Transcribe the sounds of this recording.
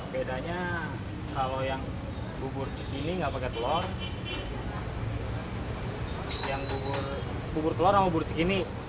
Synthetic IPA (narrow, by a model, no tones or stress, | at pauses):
bedaɲa | kalojaŋ | bubʊrt͡ʃə̥kiniŋɡapakɛt̪əlɔr | jaŋbubʊr | bubʊrt̪əlɔrjaŋbubʊrt͡ʃəkini